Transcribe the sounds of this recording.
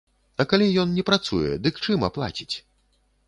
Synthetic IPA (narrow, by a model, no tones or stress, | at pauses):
ɐkalʲijɔnnʲɛpɾat̪sujɛ̰d̪ɨkt͡ʂɨmɐ̰plˠa̰t͡sʲi̥t͡sʲ